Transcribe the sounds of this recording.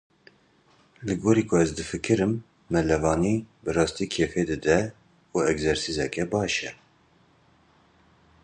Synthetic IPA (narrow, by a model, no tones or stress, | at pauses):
lɨɡoːɾiːkʰʊɛzd̪ɨfɨkɨɾɨmː | ɛlɛvɑːniːbɨrɑːst̪iːkʰeːfeːd̪ɨd̪ɛ | uɛɡzɛɾsizɛkɛbɑːʃɛ